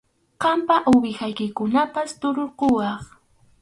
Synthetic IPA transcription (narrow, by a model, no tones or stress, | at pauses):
qɑmpaʔʊbɪxajkɪkʊnapast̪oɾoɾqowɑχ